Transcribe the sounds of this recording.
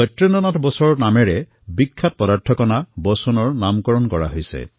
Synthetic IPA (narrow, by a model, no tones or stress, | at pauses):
ɔtɹinɔnɔtʰbɔsɔɹɔnameɹe | bikʰːap̚pɔdaɹtʰɔkɔnabɔsɔnɔɹnamkɔɹɔnkɔɹa̰ɦojsḛ